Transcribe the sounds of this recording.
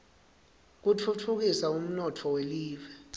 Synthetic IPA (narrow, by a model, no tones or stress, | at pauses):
k̬utʰutʰuk̬isaum̩nɔtʰɔweliːvɛ